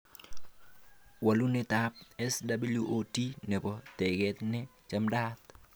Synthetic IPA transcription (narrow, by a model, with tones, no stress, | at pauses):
wa˨lu˦nɪ˦t̪ap̚ɛ˦sda˦bi˦lju˦ʔoti˦nɛ˨bɔ˨t̪ɛ˨ɡɛ˦t̪nɛ˦t͡ʃa˦mda˦t̪